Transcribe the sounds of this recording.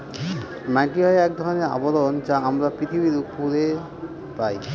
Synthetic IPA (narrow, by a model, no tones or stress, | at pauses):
mãʈiɦɔeɛk̚d̪ʱɔɾɔneɾa̰bɔd̪ɔnt͡ʃaamɾapɾit̪ʰibiɾukpuɾe | paj